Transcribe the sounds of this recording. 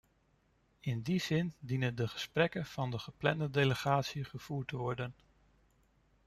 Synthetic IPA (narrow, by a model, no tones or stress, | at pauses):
ɪndizɪndinəndəχə̥sprɛkənv̥ɑndəχəplɛndədejləχaːtsiχəv̥uːɹtəʋɔɹdən